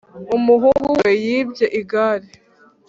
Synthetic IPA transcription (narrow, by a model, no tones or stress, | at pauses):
umuɦuɡuwejiːbjeʔiɡaɾi